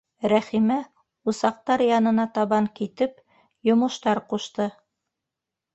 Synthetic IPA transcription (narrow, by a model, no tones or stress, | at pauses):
ɾæχimæ | usɑq̚t̪ɑɾjɑnɤ̆nɑt̪ɑβɑŋkit̪ɘp | jŏmɤ̆ʃt̪ɑɾquʃt̪ɤ